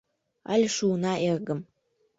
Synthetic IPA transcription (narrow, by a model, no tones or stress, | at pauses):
a̰lʲʂuːnaʔerɡɨm